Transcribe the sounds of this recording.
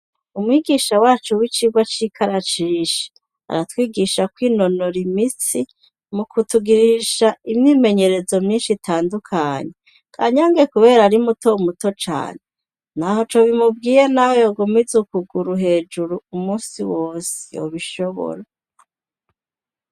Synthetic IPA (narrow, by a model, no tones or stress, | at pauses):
umwiːɡiːʃawaːt͡ʃuwit͡ʃiɡwat͡ʃiːkʰaɾat͡ʃiːʃe̥ | a̰ɾatwiːɡiʃakwiːno̞noɾimit͡si | mukutuɡiɾiʃaimɲiːme̞ɲe̞ɾe̞zo̞mɲiːnʃitʰaːndukʰaɲe | kʰa̰ːɲaːŋɡe̞kuβe̞ːɾaɾimutoumuto̞t͡ʃa̰ːne | naho̞t͡ʃoβimub̚ɡiːjenahojoɡomizukuɡuɾuɦe̞ːd͡ʒuɾuumuːsiwoːse̥o̰βiʃo̞βo̰ɾa